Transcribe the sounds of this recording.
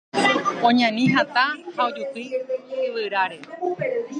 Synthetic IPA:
õɲãnĩɦat̪ahaod͡ʒupiɨʋɨɾaɾe

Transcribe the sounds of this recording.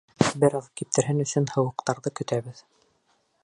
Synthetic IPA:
bɘ̆ɾɑðkip̚t̪ʰɘ̆ɾɦɘnɵ̆sɵnhɤ̆wɤ̆qt̪ɑɾðɤkɵ̆t̪æβɘð

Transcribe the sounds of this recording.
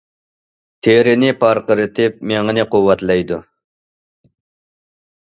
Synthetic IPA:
t̪ʰeɾɪnɪpʰɑɾqəɾɨt̪ʰɪp̚meŋɨnɪqʊwːɑt̪lɛjd̪ṵ

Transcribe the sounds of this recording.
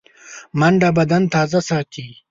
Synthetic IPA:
mɐɳɖabɐd̪ɐnt̪aːzɐsaːt̪ʰi

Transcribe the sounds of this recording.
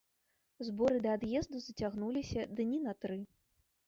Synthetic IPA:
zbɔɾɨd̪ɐːd̪jɛzd̪uzɐt͡sʲaɣnulʲisʲɐd̪ɨnʲinɐt̪ɾɨ

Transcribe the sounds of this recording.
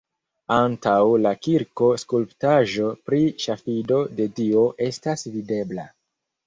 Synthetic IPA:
antawlakiɾko̞skulptaʒo̞pɾiʃafido̞de̞tio̞ʔe̞stasvide̞bla̰

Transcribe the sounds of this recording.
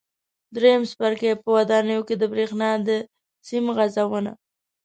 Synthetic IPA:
d̪ɾejamspaɾkepəwad̪ɑnəjoked̪əbɾexnɑd̪ə | simɣazawəna̰

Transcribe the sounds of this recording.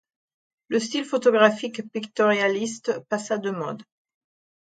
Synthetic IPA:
ləst̪ilfɔt̪ɔɡʁafikpikt̪ɔʁjalist̪pasad̪əmɔ̃d̪

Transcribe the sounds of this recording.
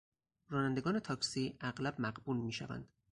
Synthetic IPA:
rɒːnænd̪e̞ɡɒːnet̪ʰɒːksiːʔæɢlæbmæɢbulmiːʃæ̰væ̰nd̪̥

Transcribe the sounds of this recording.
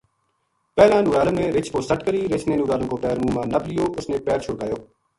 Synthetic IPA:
pɛːlãːnuːɾaːləmmẽːɾɪt͡ʃʰkoːsəʈkəɾiːɾɪt͡ʃʰneːnuːɾaːləmkoːpɛːɾmuːmãːnəblɪjoːʔʊsnẽːpɛːɾt͡ʃʰʊɽkaːjoː

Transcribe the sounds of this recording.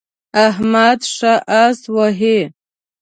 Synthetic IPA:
aɦmad̪ʂaʔaswaɦe

